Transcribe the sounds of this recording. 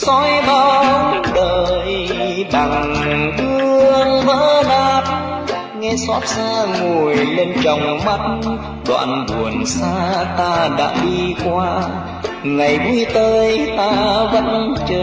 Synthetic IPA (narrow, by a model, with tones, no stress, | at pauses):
sɔ˧˦jɓa˧wɗəː˨˩jɓa˨˩ŋɗɨ˧əəəəŋvə̰ː˧˥ɗaː˧˩t̚ | ŋɛ˧sɔ˦˥p̚saː˧ŋo˨˩jle˧nt͡ɕɔ˨˩wŋ͡mma˧˦t̚ | ɗwa̰ː˧˨nɓu˨˩ənsaː˧t̪aː˧ɗa̰ː˧˥ɗi˧kwaː˧ | ŋa˨˩jɓu˧˩jt̪əː˧jt̪aː˧və̰˧˥nt͡ɕəː˧